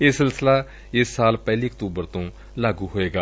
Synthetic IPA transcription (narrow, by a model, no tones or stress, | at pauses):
eːsɪlsɪlaː | ɪsːaːlpɛːliːəkt̪uːbəɾt̪õː | laːɡuːɦoːeːɡaː